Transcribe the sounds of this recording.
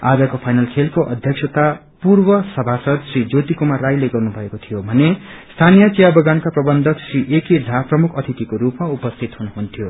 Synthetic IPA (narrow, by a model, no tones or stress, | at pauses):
a̰d͡zʌkopʰajnalkʰelkoʔʌ̰d̪ʱjʌksʰʌt̪a | purbʌsʌbʱasʌd̪srid͡zot̪ikumarajleɡʌrnubʱʌekot̪ʰijobʱʌnest̪ʰanijʌt͡sijabʌɡankaprʌbʌnd̪ʱʌksriʔekid̪ʱaprʌmukʰʌt̪ʰit̪ikoɾupmaupʌst̪ʰit̪ɦunuɦunt̪ʰijo